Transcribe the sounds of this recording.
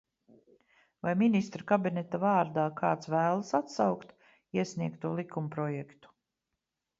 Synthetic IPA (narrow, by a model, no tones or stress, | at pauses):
vajminist̪ɾkabinɛt̪avaːɾd̪aːkʰaːt̪svæːlˠasat̪sawkt̪ | iɛsnʲiɛkt̪ːuɔːlˠikʰumpɾɔjɛkt̪u̥